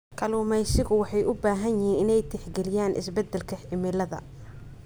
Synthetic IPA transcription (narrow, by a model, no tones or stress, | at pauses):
kʰɐluːmɛjsɪɣʊwɑħɑjʔʊbaːɦɐnjɪhiːnɪnɛjt̪ʰɪħɡɛlɪjaːnʔɪ̰sbɛd̪ːɛlkʰɐħɪmɪlɐðɐ̰